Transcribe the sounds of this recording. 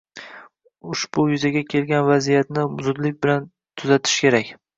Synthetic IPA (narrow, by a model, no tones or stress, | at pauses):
ʊʃb̥ʊjʊzaɡʲakʲʰe̞lɡʲanvazijat̪nɪzʊd̪lɪk̚ʲbɪlan | t̪ʰʊzat̪ʰɪ̥ʃkʲe̞ɾakʲ